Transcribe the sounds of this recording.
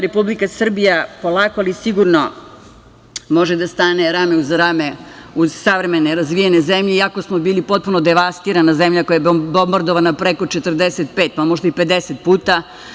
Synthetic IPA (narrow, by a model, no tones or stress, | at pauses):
ɾepublikasr̩bijapo̞lˠaːkoalisiɡuɾno̞ | mo̞ʒed̪ast̪ane̞ɾameuzɾameuz̥saʋɾemeneɾazʋijenezemʎeiako̞smo̞biːlipo̞t̪̚punod̪eʋast̪iːɾanazemʎakojabbo̞mbaɾd̪oʋanapɾeko̞t͡ʃet̪rd̪eset̪̚pet̪̚pamo̞ʒd̪aipe̞d̪eset̪̚puːt̪a